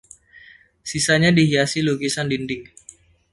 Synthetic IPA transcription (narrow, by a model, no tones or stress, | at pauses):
sisaɲadiɦiasiluɡisandindɪŋ